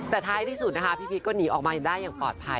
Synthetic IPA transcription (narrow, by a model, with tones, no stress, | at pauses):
t̪ɛː˨˩t̪ʰaː˧jt̪ʰiː˥˩su˨˩na˦˥kʰa˦˥pʰiː˥˩pʰi˦˥kɔː˥˩niː˩˦ʔɔː˨˩k̚maː˧ja˨˩daː˥˩jːaː˨˩pɔ̰ː˨˩t̪̚pʰa̰˧